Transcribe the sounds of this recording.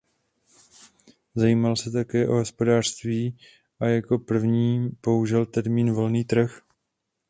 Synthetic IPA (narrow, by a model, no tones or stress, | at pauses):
zajiːmalsɛt̪akɛːʔo̞ɦo̞spo̞daːr̥st̪viː | ʔajako̞pr̩vɲiːpo̞uʒɛlt̪ɛɾmiːnvo̞lniːt̪r̩x